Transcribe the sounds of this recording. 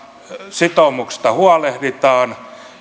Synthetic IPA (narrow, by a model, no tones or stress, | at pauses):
sit̪omukst̪ɑhuɑlehrit̪ɑːn